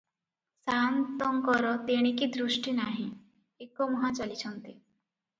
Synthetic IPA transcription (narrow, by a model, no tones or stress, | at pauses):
sant̪ɔŋkɔɾɔt̪eɽ̃ikid̪ɾusʈinaɦĩ | ekɔmuɦãt͡ʃalit͡ʃʰɔnt̪i